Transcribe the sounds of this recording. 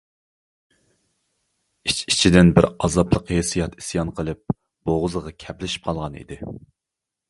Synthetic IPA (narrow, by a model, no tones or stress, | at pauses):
it͡ʃʰi̥t͡ʃʰid̪ɪnbɪɾɑzɑplˠəqhesijɑt̪i̥sijɑnqʰəlˠɨp̚ | b̥oʁʊzəʁɑkʲʰɛplɪʃi̥p̚qʰɑlˠʁɑnḭd̪ɪ